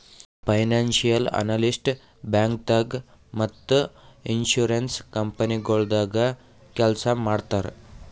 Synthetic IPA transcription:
fajnanɕijəla̰nalisʈ | bãŋk̚t̪əɡ | mət̪ːəinɕuɾenskəmpəniɡoɭd̪aɡa | kɛlsamaɽt̪aɾ

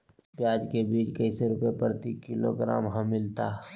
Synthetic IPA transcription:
pjaːd͡ʒkebiːt͡ʃkɐɪseɾʊpepɾt̪ikːɪlo̰ɡɾa̰ːmɦə̃mɪlt̪aː

